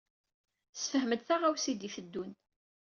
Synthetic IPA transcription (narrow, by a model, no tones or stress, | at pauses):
sfəhməd̪θaʁawsid̪ifəd̪ːun